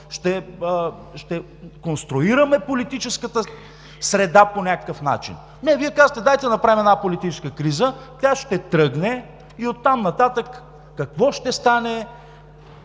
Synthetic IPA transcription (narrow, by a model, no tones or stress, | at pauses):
ʃt̪ɛ | ʃt̪ɛ | konst̪ɾʊiɾɐmɛpolit̪it͡ʃɛskət̪ə | sɾɛd̪aponʲakə̥kəfna̰t͡ʃḭn | nɛviɛkazət̪ɛd̪ajt̪ɛənɐpɾavimɛd̪napolit̪it͡ʃɛskəkɾizət̪ʲjaʃt̪ɛt̪ɾɤɡnɛ | iot̪ːamnɐt̪at̪əkː | ɐkvɔʃt̪ɛst̪anɛ